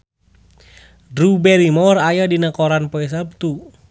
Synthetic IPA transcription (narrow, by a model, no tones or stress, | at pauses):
dɾubɛɾimɔrajadinəkoɾanpoɛs̬əb̚t̪u